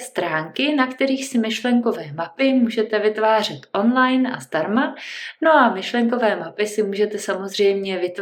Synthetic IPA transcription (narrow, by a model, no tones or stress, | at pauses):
st̪ɾaːŋkɪnakt̪ɛɾiːxsɪmɪʃlɛŋko̞vɛːmapɪmuːʒɛt̪ɛvɪt̪vaːr̝ɛt̪ʔo̞nlajnʔa̰zd̪aɾmano̞ʔamɪʃlɛŋko̞vɛːmapɪsɪmuːʒɛt̪ɛsamo̞zr̝ɛjmɲɛvɪt̪